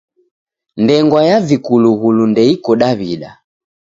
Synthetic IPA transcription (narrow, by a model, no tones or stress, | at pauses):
ndɛŋɡwajavikuluɣulundɛikɔɗaβiɗa̰